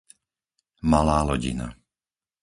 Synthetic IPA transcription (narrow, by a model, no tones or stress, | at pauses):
malaːlɔɟḭna̰